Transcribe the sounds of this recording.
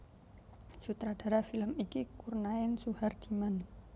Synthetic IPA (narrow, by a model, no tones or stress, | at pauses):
sut̪ɾad̥a̤ɾafiləmikikurnaəŋsuhard̪̥iman